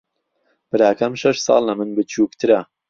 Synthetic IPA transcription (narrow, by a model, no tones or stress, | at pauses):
b̥ɨɾaːkʰɐmʃɐʃsɑ̰ːlˠlɐmɨnbɨt͡ʃʰuːkt̪ʰɨɾɐ